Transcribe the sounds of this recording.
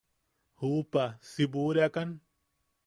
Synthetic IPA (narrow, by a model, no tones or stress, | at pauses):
huːpasibuɾjakan